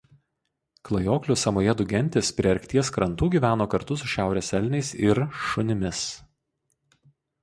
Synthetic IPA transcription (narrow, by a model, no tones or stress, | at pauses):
klˠɐjoːklʲʊsɐmoːjɛd̪ʊɡʲɛnʲt̪ʲɪspʲɾʲɪɐɾʲkʲt̪ʲiɛskɾɐnt̪uːɡʲiːʋʲæːnoːkɐɾt̪ʊs̬ʊʃʲæˑʊɾʲɛsʲɛlʲnʲɛɪsɪɾʃʊnʲɪmʲɪs